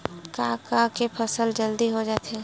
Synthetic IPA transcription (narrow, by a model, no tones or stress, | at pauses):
kakakepʰɐsəld͡ʒəld̪iɦod͡ʒaːt̪ɛː